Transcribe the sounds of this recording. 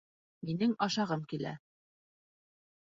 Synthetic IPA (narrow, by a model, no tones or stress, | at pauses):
minɘŋɑʃɑʁɤmkilæ̰